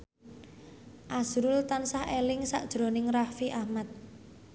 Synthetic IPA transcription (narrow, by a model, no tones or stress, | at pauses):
ʔazɾʊlt̪ansahelɪŋsa̰ʔd̥ʒ̥ɾo̤nɪŋrahfiʔahmat̪̚